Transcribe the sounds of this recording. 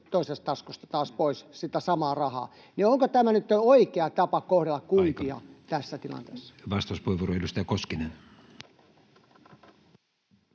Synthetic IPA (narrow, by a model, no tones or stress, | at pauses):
t̪oisest̪t̪ɑskost̪ɑ̥t̪ɑːspoissit̪æsɑmɑːrɑhɑ̰ː | nioŋkot̪æmænyt̪ːoikeɑt̪ɑpɑkohɾelːɑkkunt̪iɑ̰t̪æsːæt̪ilɑ̰nt̪ḛːsːɑ̥ʋɑst̪ɑuspueʋuoroeilust̪æjækoskinen